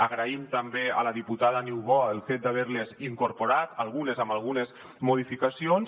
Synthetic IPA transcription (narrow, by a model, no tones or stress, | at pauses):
əɣɾəimt̪əmbeə̰ləðiput̪aðəniwβɔəlˠfet̪̚d̪aβ̞ɛɾleziŋkuɾpuɾat̪əlˠɣunezəmbalˠɣunez | muð̞ifikasions